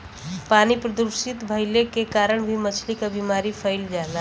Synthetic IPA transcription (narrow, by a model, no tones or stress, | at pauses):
panipɾəd̪uɾsit̪bʱəɪlekekaɾəɳ̃bʱimət͡ʃʰlikabimaɾipʰəɪld͡ʒala